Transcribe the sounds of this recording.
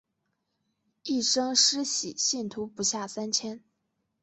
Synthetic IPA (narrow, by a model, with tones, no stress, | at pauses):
i˥˩ʂɤ˥ŋʂɻ̩˥ɕi˨˩ɕi˥˩nt̪ʰu˧˥pu˧˥ɕja˥˩sa˥nt͡ɕʰjɛ˥n